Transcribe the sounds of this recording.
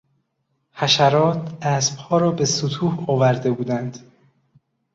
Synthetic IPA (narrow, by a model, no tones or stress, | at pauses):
hæʃæɾɒːt̪ʰæːsb̥hɒːɾɒːbe̞sot̪ʰuːhɒːvæɾd̪e̞buːd̪ænd̪̥